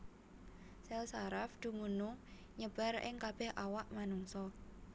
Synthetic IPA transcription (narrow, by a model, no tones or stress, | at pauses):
sɛlsaɾafd̪̥ṳmunu | ɲəb̥a̤rɪ̰ŋkab̥ɛhʔawaʔmanuŋsɔ